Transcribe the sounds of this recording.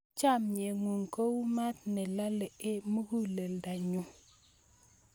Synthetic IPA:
t͡ʃa˦˨mɲe˨ŋu˨ŋko˦wma˦t̚nɛ˨la˦lɛ˨ʔe˦mu˦ɡu˦le˨lda˨ɲu˦

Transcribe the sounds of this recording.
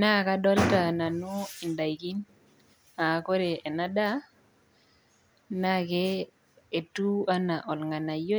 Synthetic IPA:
na˦˨ka˦dɔ˦lta˨na˨nɔ˦i˨nda˨jki˦n | a˨ko˦ɾe˨ʔe˨na˦da˦ | na˦ke˦ | e˨tu˦a˦na˨ʔɔ˨lŋa˨na˨jo˦

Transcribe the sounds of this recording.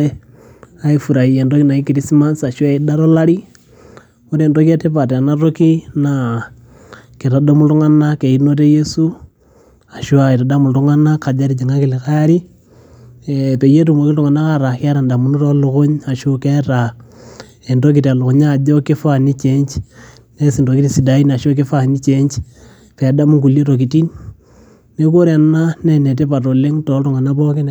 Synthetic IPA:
aifuɾa˨iendo˦kina˨kikiɾisima˦nsa˨ʃwaida˦ɾola˦ɾi˦ | uteːndokete˦pa˨tanaɾokina | kiɾa˨domu˦lu˦ŋa˦nake˨inotejesu | a˨ʃu˦ai˨ɾa˨da˦mu˨lɾuŋanaka˨d͡ʒaɾid͡ʒe˨ŋakilikaɾi | pe˨je˦tu˨mo˨kɪ˦tu˨ŋa˨na˦ka˦ɾa˨kɛ˦ɾa˨nda˨mu˨˦nu˦tɔ˦lʊ˨kʊ˦ɲa˨ʃo˦kɛ˦ɾa˨ | e˨ndo˦k̬i˨ta˨lʊ˨kʊ˨ɲa˦˨d͡ʒɔ˦ke˦fa˨ni˦t͡ʃe˦ɲt͡ʃ | ne˦si˨ndo˨ki˦ti˦si˨da˨˦i˦na˨ʃo˦k̬e˦fa˨ni˦t͡ʃe˦ɲt͡ʃ | pɛ˨a˨da˦mu˦ŋku˨lje˦to˨k̬i˨ti˦nː | e˦k̬o˦ɾea˨na˦nɛ˨ne˨t̬e˦pa˨to˨le˦ŋtɔ˨˦ltʊ˨ŋa˨na˦pɔ˦ke˦n

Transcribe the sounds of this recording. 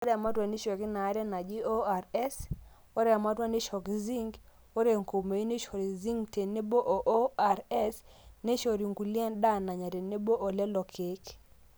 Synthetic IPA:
wo˦ɾɛ˦˨a˨ma˦twa˨ni˦ʃɔ˨ki˦na˨˦ɾɛ˦na˨d͡ʒi˦o˦a˨ɾɛ˦s | o˦ɾɛ˨a˨ma˦twa˦ni˦ʃɔ˨kzi˦ŋɡ | wo˦ɾe˦˨ŋko˨me˨i˦ne˦ʃo˨ɾi˨zi˦ŋɡte˨ne˦bo˦ʔo˨ʔo˦a˨ɾɛ˦sne˦ʃo˨ɾi˨ŋɡu˨lɛ˦nda˦na˨ɲa˨ɾe˨ne˦bo˦ʔo˨lɛ˦lɔ˨kʰe˦k

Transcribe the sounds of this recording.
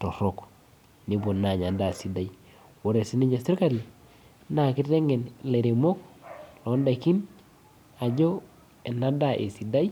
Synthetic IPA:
to˨ɾo˦k | ni˨bo˨na˨ɲa˨da˨si˨da˨j | wo˨ɾe˨si˦ni˦d͡ʒa˨si˦ɾka˦ɾia˨ | na˨ki˦te˦ŋe˨nle˨ɾe˨mo˦klo˨˦nda˨ki˦n | a˨d͡ʒo˦ | e˨na˦da˨ʔḛ˨si˨da˦j

